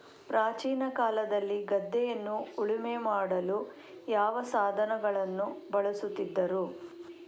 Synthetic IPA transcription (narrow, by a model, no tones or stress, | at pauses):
pɾaːt͡ʃiːnɐkaːlɐd̪ɐlːiɡɐd̪ːɛjɐnːuːɭimemaːɽɐlu | jaːʋɐsaːd̪ʱɐnɐɡɐɭɐnːubɐɭɐsut̪ːid̪ːɐɾu